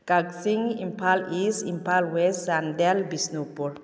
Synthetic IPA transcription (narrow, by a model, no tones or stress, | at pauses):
kaksiŋimpʰalisimpalwesand̪ɛlbisnupul